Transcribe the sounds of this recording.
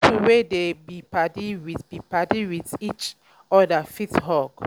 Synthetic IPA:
tʰuwedebipatiwib̥ipatiwiθit͡ʃ | ɔdafithɔk

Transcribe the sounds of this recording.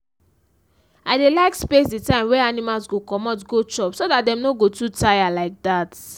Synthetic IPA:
adelaɪkspesdetãɪ̃mwɛanimalzɡokɔmɔtɡot͡ʃɔpsodat̚dɛ̃mnoɡotutajalaɪk̚dat

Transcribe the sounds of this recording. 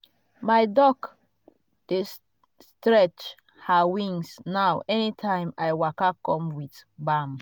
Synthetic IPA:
majdɔk | d̥es | stɹɛt͡ʃ | hawĩŋsnawʔɛnitʰãɪ̃majwakakɔ̃mwitbam

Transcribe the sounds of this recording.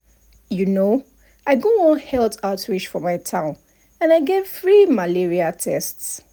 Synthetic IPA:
juno | ʔaɪɡoɔ̃nhɛltʰatɹit͡ʃfɔmaɪtʰãʊ̃n | ãnaɪɡev̥θɹimaliɹiatʰɛsts

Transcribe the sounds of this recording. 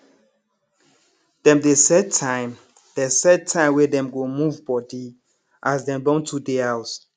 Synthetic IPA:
d̥ɛ̃mdesɛd̚tʰãɪ̃m | d̥ɛsɛd̚tʰãɪmwedɛ̃mɡomuvbɔdi | ʔasdɛ̃mdɔ̃ntʰudeɛws

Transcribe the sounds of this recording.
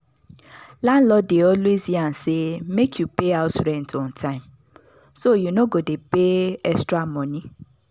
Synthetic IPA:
lan̩lɔdeɔlueziansemekʰjupeaʊsɾɛntʰɔ̃n̩tʰãɪ̃m | sojunoɡodepeɛstɾamɔni

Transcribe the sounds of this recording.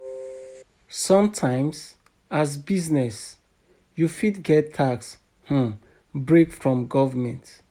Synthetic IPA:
sɔ̃mtʰãɪ̃mz | azbiznɛs | jufitɡɛtʰːaks | h̩ | bɹekfɹɔ̃mɡɔvəmɛ̃nt

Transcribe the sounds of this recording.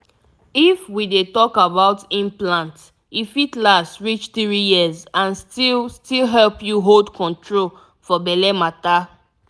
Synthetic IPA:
ifwidetɔkabaʊtĩnplãnt | ifitlastɹit͡ʃθɹijizãnstilstilɦɛlpjuɦoldkʰɔ̃ntʰɹol | fɔbɛlɛmata

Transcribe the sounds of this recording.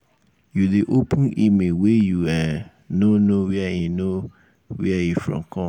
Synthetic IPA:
judeʔopʊ̃nimewejua | nonowɛɛjino | wɛɛjifɹɔ̰̃mkʰɔ̃m

